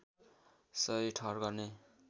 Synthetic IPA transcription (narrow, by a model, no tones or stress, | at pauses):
sʌjʈʰʌrɡʌrne